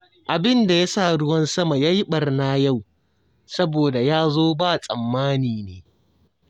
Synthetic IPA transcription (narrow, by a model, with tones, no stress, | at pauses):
ʔa˨bɪ˦nda˨ja˦saː˦˨ɽʊ˦wɐ˦nsɐ˦ma˨ja˦ji˦ɓɐ˨rna˦ja˦˨w | sɐ˦boː˨da˨jaː˦zoː˦baː˦˨sʼɐ˨mːaː˦niː˨neː˨